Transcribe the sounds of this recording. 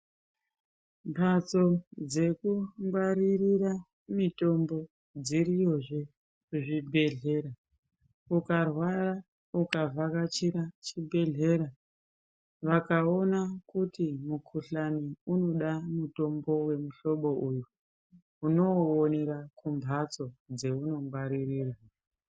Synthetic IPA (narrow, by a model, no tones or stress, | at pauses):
mpʰat͡so̞d͡ze̞kumbaɾirira | mito̞mbo̞ | d͡zirijo̞ʐe | uʐibʱe̞ɮe̞ɾa | ukarwara | ukavakat͡ʃiɾat͡ʃibʱe̞ɮe̞ɾa | ʋakao̞nakutimukʰuɬaniuno̞ɗamuto̞mbo̞we̞muɬo̞ɓo̞ʔuju | uno̞ːneɾakʰumbʱat͡so̞d͡zeuno̞mɡwaɾiriːrwa